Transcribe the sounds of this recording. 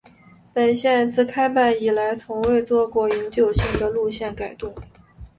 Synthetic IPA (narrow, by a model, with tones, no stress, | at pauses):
pə˨˩nɕjɛ˥˧nt͡sɹ̩˥˩kʰa˥ɪpa˥˩ni˨˩la˧˥ɪt͡sʰʊ˧˥ŋwe˥˧ɪt͡swɔ˥˧kwɔ˥˩i˧˥ŋt͡ɕjo˨˩ʊɕi˥˩ŋd̪ə˩lu˥˧ɕjɛ˥˩nka˨˩ɪt̪ʊ˥˩ŋ